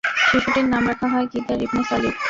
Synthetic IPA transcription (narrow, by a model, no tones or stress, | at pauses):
ʃiʃʰuʈeɾnamɾakʰaɦɔekit̪aɾibnosalit